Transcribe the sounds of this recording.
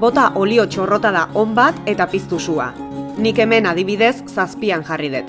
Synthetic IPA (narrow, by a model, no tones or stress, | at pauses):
bo̞t̪aʔo̞lio̞t͡ʃo̞ro̞t̪aðao̞mbat̪e̞t̪apist̪usua̰ | nike̞me̞nað̞iβ̞iðe̞sːaspiaŋʝariðet̪